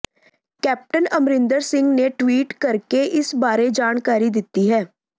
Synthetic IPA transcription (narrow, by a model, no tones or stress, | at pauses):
kɛːp̚ʈənɐmɾɪ̃nd̪əɾsɪ̃ŋɡneʈwiːʈkɐɾkeʔɪsbaːɾed͡ʒaːñkaːɾid̪ɪt̪ːiɦɛː